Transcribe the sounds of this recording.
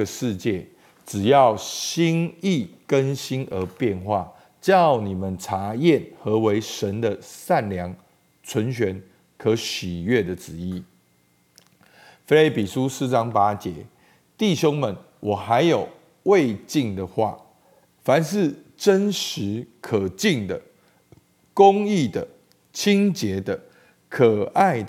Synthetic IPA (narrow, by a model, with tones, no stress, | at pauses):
ə˨ʂɻ̩˥˧t͡ɕjɛ˥˩˨ | ʈ͡ʂɻ̩˨˩jɑ˥˨ʊɕi˦˥ni˥˨kə˦nɕi˥nə˧˥pjɛ˥˨nxwa˥˩ | t͡ɕjɑ˥˨ʊni˨˩mə˨nt͡sʰa˧˥˦jɛ˥˨nxɤ˧˥we˧˥ɪʂə˨˦nd̪ə˨sa˥˨nljɑ˧˦ŋ | t͡sʰwə˧˦nɕɥɛ˨˧˥n | kʰɤ˨˥ɕi˨˩ɥɛ˥˩d̪ə˨˩ʈ͡ʂɻ̩˨˩i˦˥ | fe˥le˥˩pi˨˩ʂu˦sɹ̩˥˨ʈ͡ʂɑ˦ŋpa˥t͡ɕjɛ˨˧˦ | t̪i˥˨ɕjo˦ŋmə˨n | wʔɔ˨˩xa˧˦ɪjo˨˩ʊ | we˥˧ɪt͡ɕi˥˨ŋd̪ə˩xwa̰˥˩ | fa˨˦nʂ̬ɻ̩˥˩ | ʈ͡ʂə˦˥nʂɻ̩˧˥kʰə˨˩t͡ɕi˥˨˩ŋd̪ə̰˩ | kʊ˦ŋi˥˩d̪ə˩ | t͡ɕʰi˦ŋt͡ɕjɛ˨˧˥d̪ə˨ | kʰə˨˩a˥˩ɪ